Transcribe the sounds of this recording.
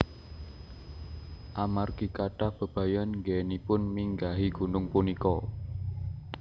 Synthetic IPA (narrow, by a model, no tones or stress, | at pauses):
ʔamarɡikaɖahb̥ə̤b̥a̤janŋɡenipʊnmiŋɡaɦiɡ̥ṳnʊŋpunikɔ